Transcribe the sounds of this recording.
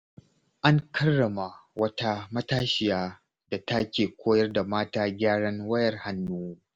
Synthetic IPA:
ʔa˦ŋkʰɐ˦rːɐ˨ma˨wɐ˦ta˦mɐ˦taː˦ʃɪ˨jaː˦ | da˨ta˦kʲeː˨kʷoː˦jɐ˦rda˨maː˦taː˦ɡʲaː˦ɽɐ˦ŋwɐ˦jɐ˨rha˨nːuː˦

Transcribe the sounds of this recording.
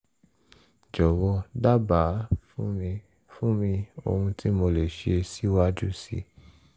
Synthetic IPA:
d͡ʒɔ˨wɔ˧da˦ba˨˦˧ | fũ˦mĩ˧o̰˧hũ˧tʰi˦mo˧le˨ʃe˧si˦wa˦d͡ʒu˦sḭ˧˦

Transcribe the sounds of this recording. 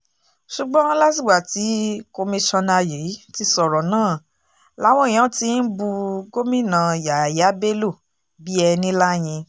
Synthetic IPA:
ʃu˨ɡ͡bɔ̃˦ɔ̃˦la˦ti˨wa˨ti˨˦ko˧mĩ˧ʃɔ̃˧na˧je˨˦ti˧˦sɔ˨ɾɔ˨nãː˦˨ | la˨˦w̃ɔ̃˦ĩ˨ã˨˦ti˧˦n̩˦bu˧ɡo˦mĩ˦˨nã˧ja˨ja˨˦be˦lo˦˨ | bi˦ɛ˧nĩ˦la˦˨j̃ĩ˧

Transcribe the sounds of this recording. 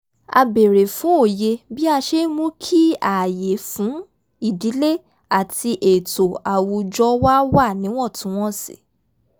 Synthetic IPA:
a̰˧be˨ɾe˨fũ˨˦o˦˨je˧bi˦a˧ʃe˦mũ˦kʰi˦a˨je˨fũ˨˦ | i˦˨di˨˦le˦ | a˦˨tʰi˧ʔe˨to˨a˨wu˧d͡ʒɔ˦wa˦wa˦˨nĩ˨˦w̃ɔ̃˦˨tũ˨˦w̃ɔ̃˦sḭ˨

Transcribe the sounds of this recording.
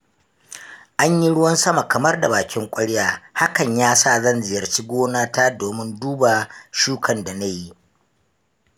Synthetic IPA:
ʔa˦ɲji˦ɽʊ˦wɐ˦nsɐ˦ma˨kɐ˨mɐ˦rda˨baː˨kʲɪ˦ŋkʷʼɐ˦ɽjaː˦ha˦kɐ˨ɲjaː˦saː˦˨zɐ˦nzɪ˨jɐ˨rt͡ʃi˦ɡʷoː˦naː˦taː˦doː˨mɪ˦nduː˦ba˨ʃuː˦kʰɐ˨nda˨na˦ji˦ʔ

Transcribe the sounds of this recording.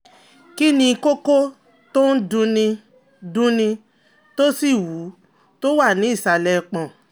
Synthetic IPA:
ki˦nĩ˧ko˦ko˦ | to˦n̩˦dũ˧nĩ˧ | dũ˧˦nĩ˧ | to˦si˦˨wu˨˦ | to˦wa˦˨nĩ˨˦i˦˨sa˨lɛ˧k͡pɔ̃˨

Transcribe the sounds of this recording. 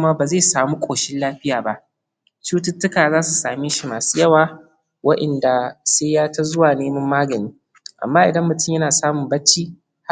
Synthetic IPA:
maː˦baː˨zeː˦˨saː˨muː˦kʷʼoː˨ʃɪ˦nlaː˦ɸɪ˦jaː˨ba˦ʔ | t͡ʃuː˦tʊ˦tːʊ˦kaː˨zaː˦su˨saː˨mɪ˦ʃi˨maː˨suː˦jɐ˦waː˨ | wɐ˦ʔɐ˨nda˨seː˦jaː˦tɐ˦zʊ˦waː˨neː˦mɐ˦mːaː˦ɡɐ˨niː˦ | ʔa̰˨mːaː˦ʔɪ˨dɐ˦mːʊ˨tʊ˦mjɐ˦naː˨saː˦mʊ˨mbɐ˦t͡ʃːiː˦ | h

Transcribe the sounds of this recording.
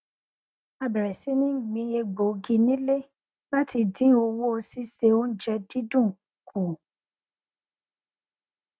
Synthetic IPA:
a˧bɛ˨ɾɛ˨si˨˦nĩ˦˨ɡ͡bĩ˧e˧ɡ͡bo˨ɡĩ˧nĩ˦le˦ | ba˦tʰi˧dĩ˨˦o˧wo˦o˧si˦se˧o˦n̩˦d͡ʒɛ˧di˦dũ˦˨ | kʰu˨

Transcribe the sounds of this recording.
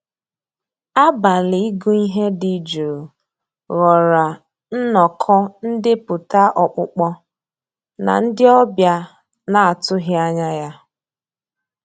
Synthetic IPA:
a˦ba˨li˨i˦ɡu˦i˦ɦe˦di˨d͡ʒo˨ | ɣɔ˨ɾa˨ | n̩˦nɔ˨kʰɔ˦n̩˦dɪ˦pʊ˨ta˦ʔɔ˨k͡pʊ˦k͡pɔ˦ | na̰˨n̩˦dɪ˦ɔ˦bja˦ | na˨a˨tʊ˦ɦɪ˦a˦ɲa˦ja˦

